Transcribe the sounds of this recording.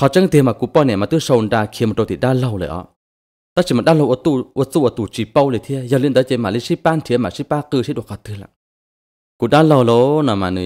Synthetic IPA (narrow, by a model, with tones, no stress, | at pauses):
kʰɔ˧˩t͡ʃa˧˥˨ŋ˧t̪i˧maː˧˨ku˧˦pɔ˧˨nɛ˧˨ma˧t̪ɨ˧˥˨so˧wndaː˧kʰi˧˨˦mɔ˧˨t̪o˧t̪i˨ɗaː˧˥˨lo˧˨wlə̰˨ʔɔ̰˧˦ | t̪a˧˥˨si˧˨ma˧˨nɗaː˧˥˨lo˧˨ʔu˧˦t̪u˧˨ʔt͡suː˧˨ʔt̪uː˧˩t͡ɕi˧˩pɔ˧wli˧˨t̪ʰi˧˨əja˧li˧˨nd̪ə˨˦t͡ɕe˧˦maː˨li˧˥si˦˧˦paː˧˨n˧t̪ʰi˧˦maː˧˨si˦˧˥paː˧˨kɨː˧˨si˦˥ɗu˧˨kʰɔ˧˩t̪ʰɯ˧˨la̰˧˨ | kuː˧˩ɗaː˧˥˨lo˧wlo˧˦nɔ˨maː˧˨nɯ˧˨